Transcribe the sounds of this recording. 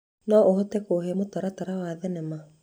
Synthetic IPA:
nɔʔoɦɔtɛkoːɦemotaɾataɾawaːðɛnɛma

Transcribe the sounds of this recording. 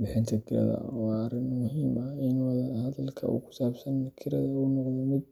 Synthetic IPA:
bɪħɪnt̪ʰɐkʰɪɾɐ̰ðɐ̰wɑːɾɪnmʊhiːmɐɪnwɑðɐhɐðɐlkʰɐ̰ʔṵːkʰʊ̥saːbsɐnkʰɪɾɐðɐunɔqðɔmɪd̪̚

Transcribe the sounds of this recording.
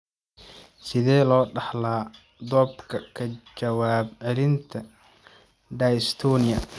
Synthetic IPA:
sɪðɛːlɔːɖɑħlaː | d̪ɔːbkʰɐkʰɐt͡ʃɐwaːbʕɛlɪnt̪ʰɐ | ɖajst̪ʰɔːnɪjɐ

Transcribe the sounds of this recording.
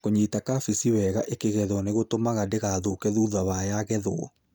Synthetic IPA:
koɲitakafisiwɛɣaʔekeɣɛðɔneɣotomaɣadeɣaːðokɛðuðawajaɣɛðɔ

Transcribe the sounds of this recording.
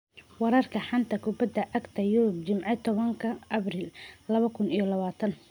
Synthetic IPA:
wɑɾɐrkʰɐħɑnt̪ʰɐkʰʊbɐd̪ɐʔɐɡt̪ʰɐjʊɾʊbt͡ʃɪmʕɪt̪ʰɔβɐŋkʰɐʔɐbriːllɐβɐkʰʊnijɞlɐβaːt̪ʰɐn

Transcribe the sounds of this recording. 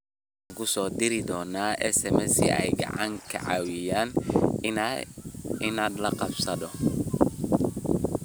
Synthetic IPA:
aŋkʰʊsɔːd̪ɪɾɪd̪ɔːnaːʔɛsɛmɛsḭʔɛ̰jɡɑ̰ʕɑŋkʰɐ̰ʕɑːwɪjaːn | ɪnaːd̪lɐqɑbsɐðɔ

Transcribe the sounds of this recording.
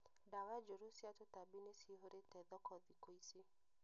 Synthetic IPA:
dawad͡ʒoɾosiatotabinesiɦoɾetɛðɔkʰɔðikoise

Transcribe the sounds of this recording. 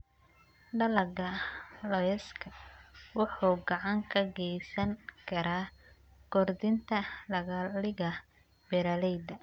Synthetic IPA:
ɖɐlɐɡɐlɔjɛskʰɐwʊħuːɡɑʕɑŋkʰɐɡɛjsɐŋkʰɐɾaː | ɡ̥ɔrd̪ɪnt̪ʰɐlɐɣɐlɪɣɐ | bɛɾɐlɛjd̪ɐ

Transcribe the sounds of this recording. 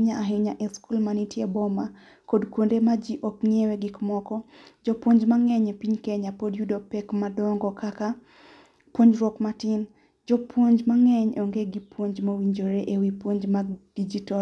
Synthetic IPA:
ɲaaɦɪɲaʔeskulmanitjebɔma | kodkwondemad͡ʒiʔɔkŋieweɡɪkmɔkɔd͡ʒɔpwoɲd͡ʒmaŋɛɲepiɲkɛɲapodjudopɛkmadɔŋɡɔkaka | pwoɲd͡ʒɾwɔkmatɪn | d͡ʒɔpwoɲd͡ʒmaŋɛɲoŋɡeɡipwoɲd͡ʒmawiɲd͡ʒoɾeʔewipwoɲd͡ʒmad̥id͡ʒitɔ

